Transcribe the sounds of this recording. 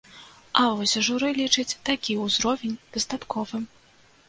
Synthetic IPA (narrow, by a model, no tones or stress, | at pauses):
avɔsʲʐuɾɨlʲit͡ʂɨt͡sʲt̪akʲiuzɾɔvʲenʲd̪̥ɐsd̪at̪kɔvɨ